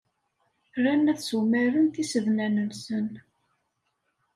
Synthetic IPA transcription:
ɾænːæθsumæɾənt̪isəvnænənsən

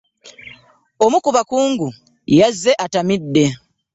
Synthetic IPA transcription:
omukuβakuːŋɡu | jazːeʔatamidːe̞

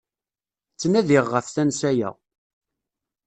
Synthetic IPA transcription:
t͡sːnæðɪʁːəfθænsæjæ̰

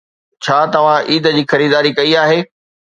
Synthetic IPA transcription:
t͡ɕʰaːt̪ɐʋ̤ãʔiːd̪ə̆d͡ʑiːxɐɾiːd̪aːɾikɐiaːɦeː

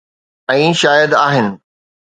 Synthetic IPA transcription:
ɛ̃ːʃaːjəd̪aːɦɪnɪ̆

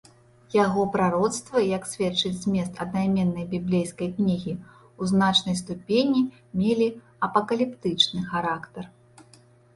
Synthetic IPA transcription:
jaɣɔpɾaɾɔt̪st̪vɐjɐksʲvʲɛt͡ʂɨt͡sʲzʲmʲɛst̪ɐd̪najmʲɛnːɐjbʲiblʲejskɐjknʲiɣʲi | uznat͡ʂnɐjst̪upʲenʲi | mʲelʲi | ɐpɐkɐlʲipt̪ɨt͡ʂnɨxaɾakt̪ɐr

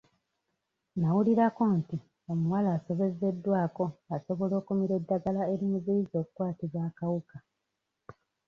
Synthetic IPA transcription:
nawuliɾako̞nti | o̞muwalaːso̞βe̞ze̞dːwaːko̞aso̞βo̞lo̞ːkumiɾe̞dːaɡalae̞ɾimuziizo̞ːkukwaːtiβwaːkawuka

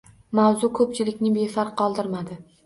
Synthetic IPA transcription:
mawzʊkʰɵp̚t͡ʃʰɪlɪkʲnɪbefaɾqʰːɒlˠd̪ɪɾmad̪ɪ

